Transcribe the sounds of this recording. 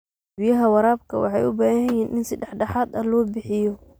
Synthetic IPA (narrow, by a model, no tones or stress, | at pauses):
bɪjɐɦɐwɑɾaːbkʰɐwɑ̰ħɑjʔʊbaːhhɐjɛːnʔɪnsɐd̪ɛħɖɑħaːd̪ɐlɔːbɪħɪjɔ